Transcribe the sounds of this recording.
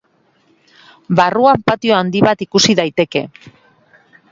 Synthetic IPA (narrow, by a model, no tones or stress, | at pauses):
baruampat̪io̞and̪iβat̪ikusiðajt̪e̞ke̞̰